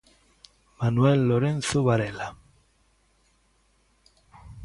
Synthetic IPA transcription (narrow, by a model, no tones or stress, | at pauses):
manuwɛlːoɾẽnθoβaɾela